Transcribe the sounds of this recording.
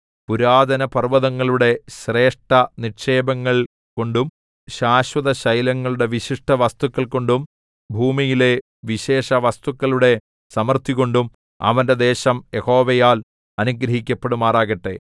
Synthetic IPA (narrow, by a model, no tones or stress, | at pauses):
puɾaːd̪ɐnɐpɐrʋɐðɐŋːɐɭuɽe̞ɕre̞ːʂʈɐnirʂeːbɐŋːɐɭ | ko̞ɳɖum | ɕaːɕwɐðɐɕɐjlɐŋːɐɭuɽe̞ʋiɕiʂʈɐʋɐst̪ukːɐɭko̞ɳɖum | bʱuːmijile̞ | ʋiɕe̞ːʂɐʋɐst̪ukːɐɭuɽe̞ | sɐmɐrt̪iɣo̞ɳɖum | ɐ̰ʋɐnde̞d̪e̞ːɕɐmjeho̞ːʋɐjaːl | ɐnuɡɾɐɦikʲːɐpːeɽumaːraːɣɐʈːe̞